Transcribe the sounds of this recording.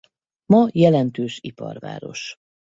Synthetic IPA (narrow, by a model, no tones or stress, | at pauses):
mɒjɛlɛnt̪øːʃipɒ̰rva̰ːɾo̞̰ʃ